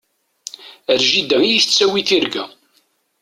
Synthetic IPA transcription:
əɾʒid̪æŋijiθət͡sːæwiθiɾɡæ

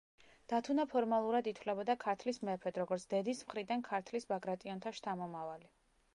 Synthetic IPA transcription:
d̪̥at̪ʰunapʰɔɾmalˠuɾad̪it̪ʰwlɛbɔd̪akʰaɾt̪ʰlismɛpʰɛd̪ɾɔɡɔɾt̪sʰd̪̥ɛd̪ismχɾid̪ankʰaɾt̪ʰlisbaɡɾat̪ʼiɔnt̪ʰaʃt̪ʰamɔmavali

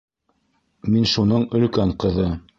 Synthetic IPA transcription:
minʃunɤɴɵ̆lkæɴqɤ̆ðɤ

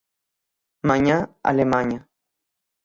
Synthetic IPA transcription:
maɲaa̰lemaɲa

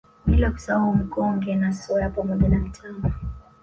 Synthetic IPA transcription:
ɓilɔku̥sawaum̩kɔŋɡɛnasɔjapamɔʄanam̩tʰanɔ

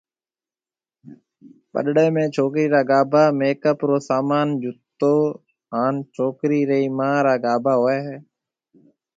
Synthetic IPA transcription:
ɓə̰ɗɽeːmẽːt͡ʃʰoːkɾiːɾaːɡaːbʱaːmeːkəpɾoːsaːmaːnd͡ʒʊt̪ːoː | ɦaːnt͡ʃʰoːkɾiːɾəiːmãːɾaːɡaːbʱaːɦoːeːɦɛː

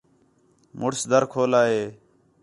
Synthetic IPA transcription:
mʊɽsd̪ʱəɾkʰoːlaːɦeː

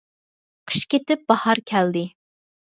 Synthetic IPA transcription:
qʰə̥ʃkʲet̪ɪp̚b̥ɑhɑɾkʲʰɛld̪ɪ

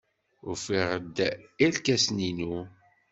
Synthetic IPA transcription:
ʊ̰ɾfiʁəd̪ilkæsninu

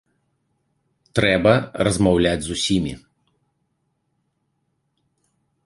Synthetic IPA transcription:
t̪ɾɛbɐɾɐzmɐwlʲæd͡zʲzusʲimʲḭ

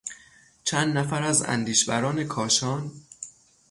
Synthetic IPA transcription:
t͡ʃʰænd̪næfæɾæzæ̰nd̪iːʃbæɾɒːne̞kʰɒːʃɒːn

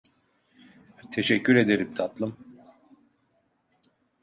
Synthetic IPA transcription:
t̪ʰe̞ʃɛcʰːyɾe̞d̪e̞ɾimt̪ʰat̪lˠɯm

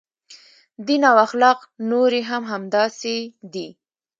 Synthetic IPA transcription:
d̪inawaxlɑqnoɾeɦamɦamd̪ɑsed̪i

